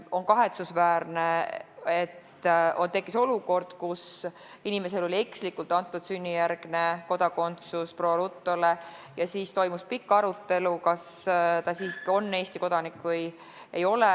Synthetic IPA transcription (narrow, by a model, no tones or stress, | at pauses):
o̞nkɑɦe̞t̪susvæːɾneet̪ː | ont̪e̞kːˑiso̞luko̞rd̪̥kus | inime̞se̞lo̞lʲie̞kslikːˑult̪ːˑɑnt̪ːˑud̪̥synʲːijæɾɡ̥ne̞ko̞d̪ɑko̞nt̪susproːlut̪ːˑo̞lejɑsiːst̪o̞jmuspikːɑɾut̪ːe̞lukɑst̪ɑsiːso̞nːe̞ːst̪iko̞d̪̥ɑnikːˑvɤj | ejo̞le